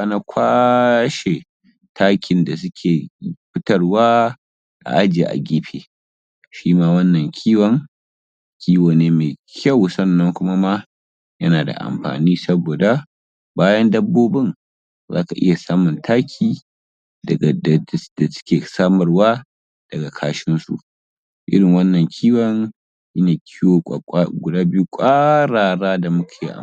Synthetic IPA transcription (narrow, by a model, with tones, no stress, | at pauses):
a˦na˦kʷʰaː˦ʃe˨ | tʰaː˦kʲɪ˨nda˨s̬ʊ˦kʲʰeː˨ɸɪ˦tɐ˦rwaː˦ | ʔa̰˨ʔa˦d͡ʒe˨ʔa̰˨ɡʲiː˦ɸḛː˨ | ʃiː˦maː˦wɐ˦nːɐ˨ŋkʲʰiː˦wɐ˦ŋ | kʲʰiː˦woː˨neː˦meː˨kʲʰɐ˦˨wsɐ˦nːɐ˦ŋkʷʊ˦ma˦ma˦ | jɐ˦naː˨da̰˨ʔa̰˨mɸa̰ː˨niː˦sɐ˦boː˨da˨ | baː˦jɐ˦ndɐ˦bːoː˦bɪ˦ŋ | za̰ː˦ka˨ʔɪ̰˦ja˨saː˦mʊ˨ntʰaː˦kʲʰiː˨ | dɐ˨ɡa˨dd̥a˨sɪ̥˦kʲeː˨saː˦mɐ˨rwaː˦ | d̥ɐ˨ɡa˨kʰaː˦ʃɪ˦nsṵ˨ʔ | ʔɪ̰˦ɾɪ˨ŋwɐ˦nːɐ˨ŋkʲʰiː˦wɐ˦ŋ | ji˦naː˨kʲʰiː˦wo˨˦ɡʷʊ˨daː˦bɪ˦ju˦kʷʼaː˦ɽaː˨ɽaː˦da˨mʊ˦kʲʰeː˨ʔa̰˨